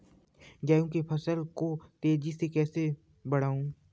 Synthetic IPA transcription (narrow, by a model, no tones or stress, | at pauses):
ɡaːjũkepʰɐsəlkot̪eːd͡ʒisekɛːse | bɐɽ̤aːũː